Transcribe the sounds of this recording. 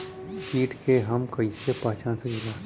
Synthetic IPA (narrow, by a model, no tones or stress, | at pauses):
siːʈkʰeɦɐmkɐisepãːt͡ʃãːnsed͡ʒʊɡaː